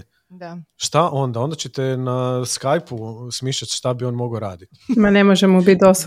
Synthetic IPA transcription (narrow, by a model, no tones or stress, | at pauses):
daʃt̪aʔo̞nd̪ao̞nd̪at͡ɕet̪enaskajpusmiːʃʎat̪ʃt̪abio̞ːnmo̞ɡoɾaːd̪it̪mane̞moʒemobit̪̚d̪os